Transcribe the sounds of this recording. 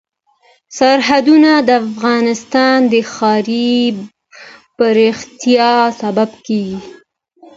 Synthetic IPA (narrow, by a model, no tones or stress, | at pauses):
saɾɦad̪unad̪əafɣɑnɪst̪ɑnd̪əxɑɾi | b̥əɾext̪jɑsababkeɡi